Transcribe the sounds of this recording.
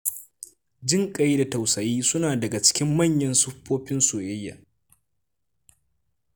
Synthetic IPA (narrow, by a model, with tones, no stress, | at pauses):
d͡ʒɪ˦ŋkʼɐ˨ji˦da˨ta˨wsɐ˨jiː˦sʊ˦naː˨dɐ˨ɡa˨t͡ʃɪ̥˦kʲɪ˦mːɐ˦ɲjɐ˦nsʊ˦ɸːoː˦ɸɪ˦nsoː˨jɪ˦jːa̰˨